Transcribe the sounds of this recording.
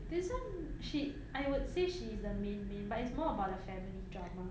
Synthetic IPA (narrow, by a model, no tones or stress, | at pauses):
dɪzə̃nʃi | ʔaɪwʊdseʃiːzdəmẽnmẽnbatɪtsmɔəbaʊt̚əfɛmilidɹamə